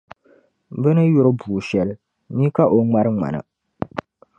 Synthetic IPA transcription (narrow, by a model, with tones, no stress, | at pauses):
bɨ˦nɨ˦jʊ˦ɾɨ˦buː˨ʃɛ˨lɨ˦ | miː˦ka˦ʔo˦ŋ͡ma˦ɾɨ˦ŋa̰˨nɨ̰˨